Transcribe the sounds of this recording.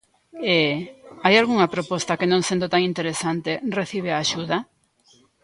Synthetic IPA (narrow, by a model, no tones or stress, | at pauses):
eajalɣuŋɐpɾopɔst̪akenõŋsend̪ot̪aŋint̪eɾesant̪ereθiβ̞eaːʃuða